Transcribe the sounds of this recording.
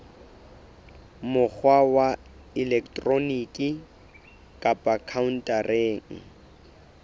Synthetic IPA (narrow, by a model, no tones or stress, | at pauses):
mʊk͡xʰwawa | ɪlɛkʰtʼroniːkʼi | kʼapʼakʰaun̩tʼarʔeːŋ̩